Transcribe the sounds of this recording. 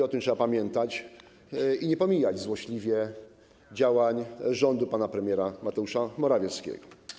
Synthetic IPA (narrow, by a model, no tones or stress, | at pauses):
ɔt̪ɨmtʂɛbapamʲjɛnt̪at͡ɕ | iɲɛpɔmʲijad͡ʑzwɔɕlʲivʲjɛ | d͡ʑawaɲʐɔnd̪upanapɾɛmʲjɛɾamat̪ɛuʂamɔɾavʲjɛskʲɛ̰ɡ̥ɔ̥